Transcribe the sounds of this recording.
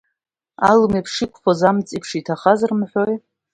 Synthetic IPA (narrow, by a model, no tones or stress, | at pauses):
alɨmepʰʂɨkʷʰʼχozamt͡sʼipʰʂitʰaχazarmħʷᶣoj